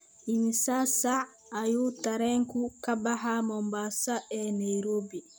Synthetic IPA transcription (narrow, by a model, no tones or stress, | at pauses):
ʔinsasaː | jutaɾɛŋkukabaɦamɔmbasaʔɛnajɾoːbi